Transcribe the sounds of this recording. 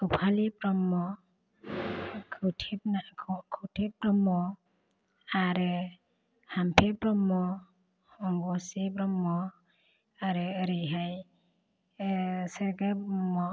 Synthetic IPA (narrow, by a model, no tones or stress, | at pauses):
upʰalipɾɔmɔ | kʰutʰip̚nakʰɔkʰutʰipɾɔmɔ | aɾɯ | hampʰebɾɔmːɔ | ɔŋɡɔsibɾɔmːɔ | aɾɯɾiɦaj | seɾɡebɾɔmɔ